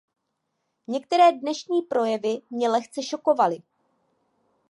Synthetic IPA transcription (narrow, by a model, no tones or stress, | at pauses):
ɲɛk̚t̪ɛɾɛːdnɛʃɲiːpɾo̞jɛvɪmɲɛlɛxt͡sɛʃo̞ko̞valɪ